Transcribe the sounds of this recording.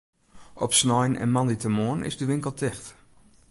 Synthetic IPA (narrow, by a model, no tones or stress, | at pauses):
ɔpsnɔjnɛ̰nmɑnditəmoənɪ̰zdəʋɪŋkəlˠtʰɪxt